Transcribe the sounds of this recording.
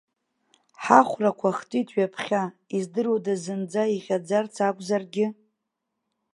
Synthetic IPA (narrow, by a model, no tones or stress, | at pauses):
ħaχʷrakʷʰaχtʼitʰʼɥapʰχʲaizdɨrodazɨnd͡zaiʁʲad͡zart͡sʰakʷʼzarɡʲɪ